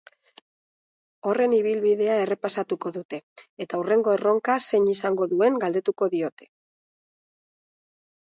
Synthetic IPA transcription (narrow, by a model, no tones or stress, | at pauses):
o̞re̞niβilβiðe̞ae̞re̞pasat̪uko̞ðut̪e̞ːt̪aure̞ŋɡo̞ero̞ŋkase̞ɲisaŋɡo̞ðue̞ŋɡald̪e̞t̪uko̞ðio̞t̪e̞̥